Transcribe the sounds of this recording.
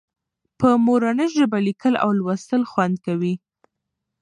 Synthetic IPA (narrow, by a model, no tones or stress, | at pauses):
pəmoɾɑnəʒəbalikəla̰wlwast̪əlxwand̪̚kawi